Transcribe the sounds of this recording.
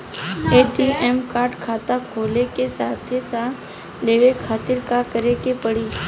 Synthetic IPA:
eːʈiɛmkaːɾɖkʰaːt̪akʰoːlekesaːt̪ʰesaːt̪ʰ | ɖeːʋekʰaːt̪ɪɾkakəɾekepəɽiː

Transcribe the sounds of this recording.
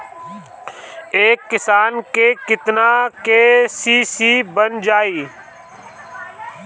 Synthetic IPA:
eːkːɪsaːnkekɪt̪nakesiːsiːbənd͡ʒaːiː

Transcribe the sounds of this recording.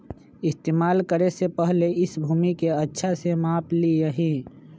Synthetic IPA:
ɪst̪eːmaːlkəɾesepɛɦleɪsbʱuːmikeɐtːʃʰasemaːplieɦĩ

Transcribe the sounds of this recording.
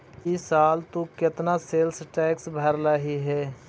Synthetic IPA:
ɪsaːlt̪okɪt̪naseːlsʈɛːksbʱəɾlaɦiɦɛː

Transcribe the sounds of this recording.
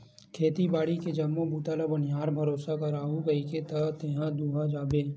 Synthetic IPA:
kʰeːt̪ibaːɽiked͡ʒɐmːõbuːt̪alabɐnɪjaːɾbʱɐɾoːsakaɾaːɦuɡɐiket̪ɐt̪eɦãd̪uːɦad͡ʒaːbeː

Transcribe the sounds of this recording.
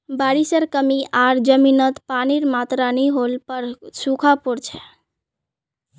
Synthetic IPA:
baɽisəɾkəmiʔaɾd͡ʒəminət̪paniɾmat̪ɾanəɦolpəɾsukʰapuɾt͡ʃʰɛ

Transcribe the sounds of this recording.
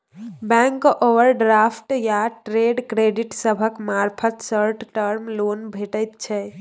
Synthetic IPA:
bɛ̃ŋkoʋəɾɖɾapʰʈjaʈɾeɖkɾeɖiʈsəbʱəkmaɾpʰət̪səɾʈʈəɾmlonbʱeʈəjt̪t͡ʃʰɛ

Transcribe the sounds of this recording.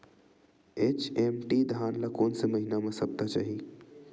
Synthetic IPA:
eːt͡ʃemʈid̪ʱaːnlakoːnseməɦinamẽsɐp̚t̪at͡ʃaːɦi

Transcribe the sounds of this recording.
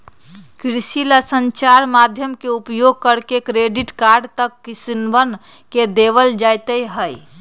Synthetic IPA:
kɾsilasə̃ɲt͡ʃaɾmaːd̪ʱjəmkeupjoɡ̚kəɾkekɾeːɖɪʈkaɾɖt̪əkːɪsinʋən | ked̪eʋəld͡ʒajt̪eiɦəi

